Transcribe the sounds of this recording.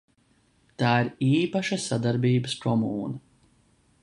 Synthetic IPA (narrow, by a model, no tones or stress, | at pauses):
t̪aːiɾiːpaʃasad̪aɾbiːbəskʰɔmuːna